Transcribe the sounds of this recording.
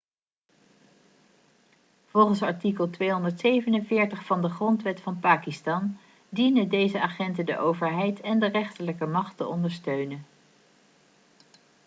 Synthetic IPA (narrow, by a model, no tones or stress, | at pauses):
v̥ɔlˠχənsɑɹtikəlˠtʋejɦɔndəɹtsejvənənvɪːɹtəχfɑndəχrɔntʋɛtfɑnpaːkistɑn | dinədejzəaχɛntədə̰ʔowvəɹɦɛjtʰɛndərɛχtələkəmɑχtəɔndəɹstøɥnən